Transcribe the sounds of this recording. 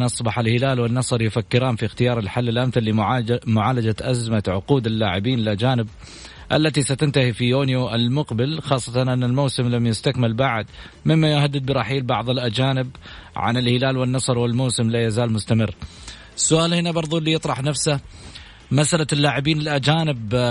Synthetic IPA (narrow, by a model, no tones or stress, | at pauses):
ʔɑsˤbɑħalhɪlaːlwɪnːɑsˤɑɾˤjʊfakːɪɾaːnfixt̪ɪjɑːɾˤɪlħalːɪlʔamθalːimʊʕaːlad͡ʒaʔazmat̪ʕʊquːd̪ɪlːaːʕɪbiːnɪlʔad͡ʒaːnɪb̚ | ʔa̰lːat̪isat̪ɪnt̪ahifijoːnjoʔɪlmʊqbɪlxɑːsˤːɑt̪ɑnʔɪnːalmawsɪmlamjɪst̪akmɪlbaʕd̪ | mɪmːajʊhad̪ːɪd̪̚bɪɾˤɑħiːlbɑʕðˤɪlʔad͡ʒaːnɪbʕa̰nɪlhɪlaːlwɪnːɑsˤɨɾˤwɪlmowːsɪmlajazaːlmʊst̪amɪrː | sːʊʔaːlhɪnabɑɾˤðˤulːijɨt̪ˤɾˤɑħnafsa | masʔalalːaːʕɪbiːnɪlʔad͡ʒaːnɪb